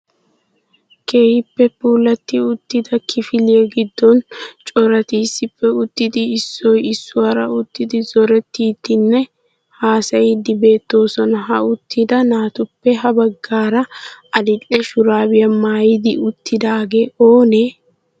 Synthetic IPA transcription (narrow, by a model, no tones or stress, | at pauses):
ke̞ːhɪpːɛpuːlɐt̪ːɪʊt̪ːɪd̪ɐkʰɪfɪlɪeɡɪd̪ːɔnt͡ʃʼɔɾɐt̪iːsːɪpːɛʊt̪ːɪd̪ɪːsːɔjɪsːʊwɐɾɐ̰ʊt̪ːɪd̪ɪzɔɾɛt̪ːiːt̪ːɪnːɛ | haːsɐjɪd̪ɪbe̞ːt̪ːo̞ːsɔnɐɦɐʊt̪ʰːɪd̪ɐnaːt̪ʊpːɛɦɐbɐɡːaːɾɐɐlɪlɛʃʊɾaːbɪjɐmaːjɪd̪ɪʊt̪ːɪd̪aːɡe̞ːʔo̞ːneː